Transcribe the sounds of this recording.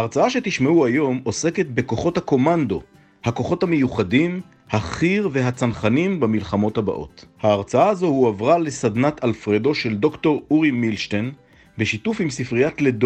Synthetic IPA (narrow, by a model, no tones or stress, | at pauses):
haaʁt͡saaʃe̞t̪iʃmeuajo̞mo̞se̞ketbe̞ko̞χo̞thako̞mand̪o̞ | hako̞χo̞thame̞juχadim | haχiʁve̞ɦat͡sanχanimbamilχamo̞thaba̰ʔo̞̰thaːʁt͡saaːzo̞huavʁale̞sadnatʰalfʁedo̞ʃe̞ldo̞kto̞ʁuʁimilʃten | beʃitufimsifʁijatled